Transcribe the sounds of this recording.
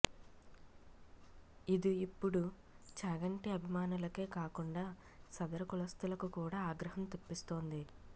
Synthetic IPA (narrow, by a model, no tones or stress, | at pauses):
id̪uipːuɽu | t͡ʃaːɡɐɳʈiɐbʱimaːnulɐke̞ːkaːkuɳɖaː | sɐd̪ɐɾɐkulɐst̪ulɐkukuːɽaːaːɡɾɐɦɐmt̪opːist̪oːnd̪i